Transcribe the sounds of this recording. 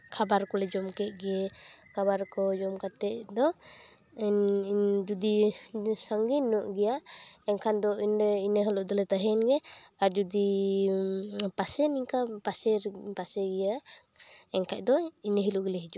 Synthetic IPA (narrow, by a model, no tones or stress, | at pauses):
kʰabaɾkɔlɛd͡ʒɔmkɛʔ̚ɡɛkʰabaɾkɔd͡ʒɔmkat̪ɛʔ̚d̪ɔ | nd͡ʒud̪isaŋɡinːɔʔɡɛjaɛŋkʰand̪ɔinɛinəɦɔlɔʔd̪ɔlɛt̪aɦɛnɡɛaɾd͡ʒud̪i | pasɛniŋkapasɛɾpasɛɡɛja | ɛŋkaʔ̚d̪ɔinəɦiluʔɡɛlɛɦid͡ʒuʔ